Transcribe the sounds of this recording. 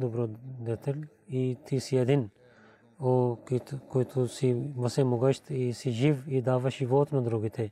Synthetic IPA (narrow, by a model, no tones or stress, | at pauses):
d̪ubɾod̪et̪ɐl | it̪ʰisiɐd̪in | okikoit̪ʰusimɐsemuɡɐʃt̪ʰisid͡ʒiʋid̪aːʋɐʃiʋoːt̪nɐd̪ɾoːɡit̪ʰe